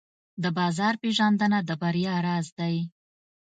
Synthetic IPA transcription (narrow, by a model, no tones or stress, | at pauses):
d̪əbɑzɑɾpeʒɑnd̪ənad̪əbaɾjɑɾɑzd̪aj